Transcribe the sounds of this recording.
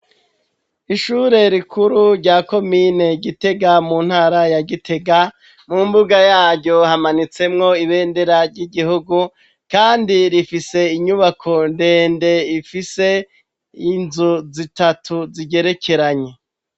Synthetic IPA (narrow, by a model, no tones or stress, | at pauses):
iʃuːɾe̞ɾikʰuɾuɾɟaːko̞mine̞ɟite̞ɡamuːn̥haːɾajaɡitʰe̞ɡa | mumbuɡajaːɟɟo̞hamanit͡se̞mŋo̞iβe̞ːnde̞ɾaɾɟiɡihuɡu | kaːndiɾifise̞iɲuβakʰo̞nde̞ːnde̞ifise̞ | inzuzitatʰuziɟe̞ɾe̞kʰe̞ɾaɲe̞